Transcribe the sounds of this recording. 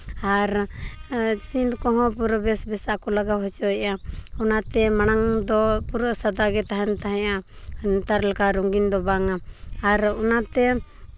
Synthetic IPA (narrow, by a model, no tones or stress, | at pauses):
aɾ | sind̪kɔɦɔ̃puɾəbɛsbɛsakɔlaɡawɦɔt͡ʃɔɛaɔnat̪ɛmañaŋd̪ɔpuɾəsad̪aɡɛt̪aɦɛnt̪aɦɛ̃ja | t̪aɾlakaɾuŋɡind̪ɔbaŋaːɾɔnat̪ɛ